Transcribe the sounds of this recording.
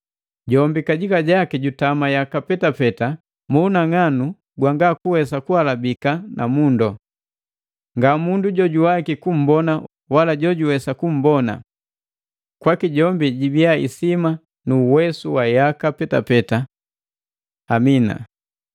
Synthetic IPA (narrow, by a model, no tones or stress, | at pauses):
ɟɔmbikaɟikaɟakɛɟutamajakapɛtapɛta | muːnaŋanu | ɡwaŋɡakuwɛsakuhalabikanʔa̰mundɔ | ŋɡamunduɟɔɟuwakikum̩bɔna | walaɟɔɟuwɛsakum̩bɔna̰ | kwakiɟɔmbiɟibiaḭsima | nuwɛsuwajakapɛtapɛta | mina̰